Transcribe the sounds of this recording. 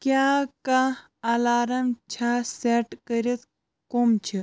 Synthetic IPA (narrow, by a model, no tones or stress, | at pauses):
kjaka | ɐlaːɾɐmt͡ʃʰaseʈkəɾit̪ | komt͡ʃʰi